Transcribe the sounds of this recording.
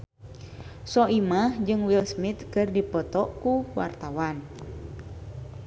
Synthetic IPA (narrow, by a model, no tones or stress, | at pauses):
sɔʔimahd͡ʒɨŋwilsmit̪̚kɨrdipɔt̪ɔʔkuwa̰rt̪awan